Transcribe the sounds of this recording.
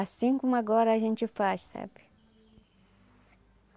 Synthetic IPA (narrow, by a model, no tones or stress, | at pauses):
asĩkõmʊaɡɔɾɐaʒẽnt͡ʃɪfassa̰bɪ̥